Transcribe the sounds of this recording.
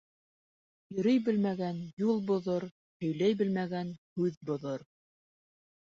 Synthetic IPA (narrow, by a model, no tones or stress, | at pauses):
jɵ̆ɾɘjbɘ̆lmæɡænjulˠbŏðoɾ | hɵ̆jlæjbɘ̆lmæɡænhʉðbŏðoɾ